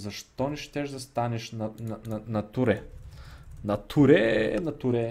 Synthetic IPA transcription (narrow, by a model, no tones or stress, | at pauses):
zɐʃt̪ɔnɛʃt̪ɛʒd̪ɐst̪anɛʃnɐnɐnɐnɐt̪uɾɛ | nɐt̪ʰuɾɛnɐt̪uɾɛ